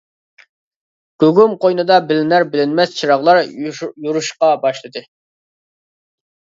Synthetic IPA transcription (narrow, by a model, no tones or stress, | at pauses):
ɡ̥ʲøɡumqojnɨd̪ɑbɪlɪnæɾbɪlɪnmɛst͡ʃʰiɾɑʁlˠɑɾjuɾuʃqɑbɑʃlˠɨd̪ɨ